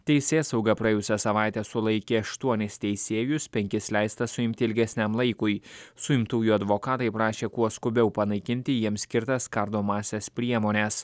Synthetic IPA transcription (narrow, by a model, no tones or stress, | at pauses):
t̪ʲɛɪsʲeːsɐʊɡɐpɾɐjɛːjʊsʲɛsɐʋɑˑɪt̪ʲɛːsʊlˠɐɪkʲeːɐʃt̪uɔnʲɪst̪ʲɛɪsʲeːjʊspʲɛŋʲkʲɪslʲæɪst̪ɐsʊɪmʲt̪ʲɪɪlʲɡʲɛsʲnʲɛmlˠɐɪkʊjsʊɪmt̪uːjuɐd̪ʋoːkɑːt̪ɐɪpɾɑːʃʲeːkuɔskʊbʲɛʊpɐnɐɪkʲɪnʲt̪ʲɪjiɛmsʲkʲɪɾt̪ɐskɐɾd̪oːmɑːsʲeːspʲɾʲiɛmoːnʲɛs